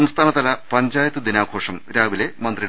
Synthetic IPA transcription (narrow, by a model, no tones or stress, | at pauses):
ɐmst̪ʰaːnɐt̪ɐlɐpɐɲd͡ʑaːjɐt̪ːɨd̪inaːɡʱo̞ːʂɐmɾaːʋile̞mɐnd̪riɽ